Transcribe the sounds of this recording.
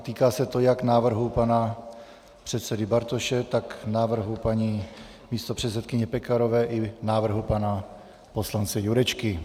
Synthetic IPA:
t̪iːkaːsɛt̪o̞jaknaːvr̩ɦupana | pr̝̥ɛt̪sɛdɪbaɾt̪oʃɛt̪aknaːvr̩ɦupaɲiː | miːst̪o̞pr̝̥ɛt̪sɛt̪̚kɪɲɛpɛkaɾovɛːʔɪnaːvr̩ɦupana | po̞slant͡sɛjuɾɛt͡ʃkɪ

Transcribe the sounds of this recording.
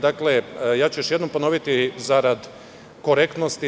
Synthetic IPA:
d̪aklejaːt͡ɕujoʃjed̪nompono̞ʋit̪izaɾad̪ | ko̞ɾekt̪nost̪i

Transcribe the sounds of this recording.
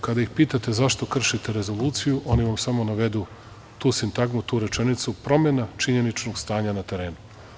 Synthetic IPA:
kad̪aixpiːt̪at̪e̞zaʃt̪o̞kr̩ʃit̪e̞ɾe̞zo̞lˠuːt̪sijuʔo̞niʋamsamo̞naʋe̞d̪u | t̪uːsint̪aɡmut̪uːɾe̞t͡ʃe̞nit̪supɾo̞me̞nat͡ʃiɲe̞nit͡ʃnoɡst̪aːɲanat̪e̞ɾe̞ːnu

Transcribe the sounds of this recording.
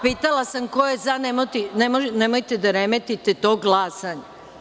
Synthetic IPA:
piːt̪alasamkojezanemot̪inemoʒnemojt̪ed̪aɾemet̪it̪et̪o̞ːɡlˠaːsaɲe

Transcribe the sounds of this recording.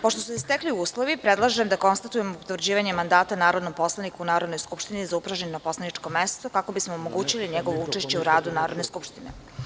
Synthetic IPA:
poʃt̪osuist̪ekliuːslˠoʋipɾed̪lˠaʒemd̪ako̞nst̪at̪ujemoot̪vɾ̩d͡ʑiːʋaɲemand̪aːt̪anaːɾod̪nompo̞slˠanikuunaːɾo̞d̪nojskupʃt̪inizaupɾaʒennopo̞slˠanit͡ʂko̞mest̪okako̞bismoːmoɡuːt͡ɕiliɲeɡoʋo̞ut͡ʂeʃt͡ɕe̞uɾaːd̪unaːɾod̪neskupʃt̪ine

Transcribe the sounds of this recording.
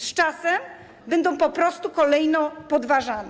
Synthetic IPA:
st͡ʂasɛm | bɛnd̪ɔ̃w̃pɔpɾɔst̪ukɔlɛjnɔpɔd̪vaʐanɛ

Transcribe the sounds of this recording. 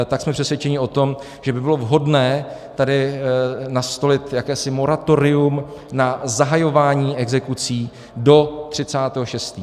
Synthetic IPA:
t̪aksmɛpr̝̥ɛsvjɛt͡ʃɛɲɪo̞t̪o̞m | ʒ̥ɛbɪbɪlo̞vɦo̞dnɛːt̪adɪ | nast̪o̞lɪt̪jakɛːsɪmo̞ɾat̪o̞ɾɪumnazaɦajo̞vaːɲiːɛɡzɛkut͡siː | do̞t̪r̥ɪt͡saːt̪ɛːɦoʃɛst̪iː

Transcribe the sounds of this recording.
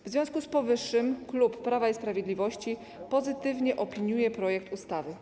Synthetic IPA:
vzvʲɔ̃w̃skuspɔvɘʂːɘmklupːɾavaispɾavʲjed̪lʲivɔɕt͡ɕi | pɔzɘt̪ɘvɲɛʔɔpʲiɲujɛpɾɔjɛk̚t̪ust̪avɘ

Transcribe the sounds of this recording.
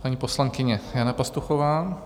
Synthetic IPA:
paɲiːposlaŋkɪɲɛjanapast̪uxovaː

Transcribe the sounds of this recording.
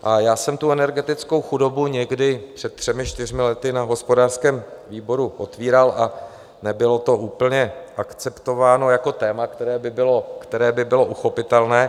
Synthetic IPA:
ʔajaːsɛmt̪uɛnɛɾɡɛt̪ɪt͡sko̞wxudo̞buɲɛɡdɪpr̥ɛt̪̚t̪ːr̥ɛmɪt͡ʃt̪ɪr̝mɪlɛt̪ɪnaɦo̞spo̞daːr̥skɛːmviːbo̞ɾuʔo̞t̪viːɾalʔa | nɛbɪlo̞t̪o̞ʔuːpl̩ɲɛʔakt͡sɛpt̪o̞vaːno̞jako̞t̪ɛːmakt̪ɛɾɛːbɪbɪlokt̪ɛɾɛːbɪbɪlo̞ʔuxo̞pɪt̪ɛlnɛː

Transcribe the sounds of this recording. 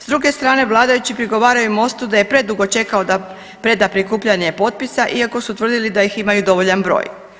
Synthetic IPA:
zd̪ɾuɡe̞st̪ɾaːne̞ʋlˠaːd̪ajut͡ɕipɾiɡo̞ʋaːɾajumo̞st̪ud̪aje̞pɾe̞d̪uɡo̞t͡ʃe̞kaod̪a | pɾe̞d̪apɾikuːpʎaɲepo̞t̪̚pisaʔiako̞sut̪ʋrd̪ilid̪ajiximajud̪o̞ʋo̞ʎanbɾo̰ːj

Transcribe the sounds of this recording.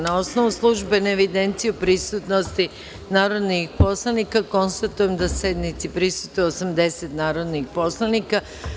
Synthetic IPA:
naosno̞ʋuslˠuʒbe̞naeʋid̪e̞nt̪sijupɾisut̪nost̪i | naːɾo̞d̪nixpo̞slˠanikako̞nst̪at̪ujemd̪ased̪nit̪sipɾisut̪oosamd̪e̞set̪naːɾo̞d̪nixpo̞slˠanika

